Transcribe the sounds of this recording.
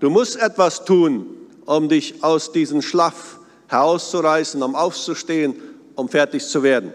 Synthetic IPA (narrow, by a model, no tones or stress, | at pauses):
d̥uːmʊstʔɛtv̥astʰuːn | ʔʊmdɪçʔaʊsd̥iːzəmʃlaf | hɛʁaʊst͡suʁaɪsn̩ʊmaʊft͡suʃteːən | ʔʊmfɛɐtɪçt͡suveːɐdn̩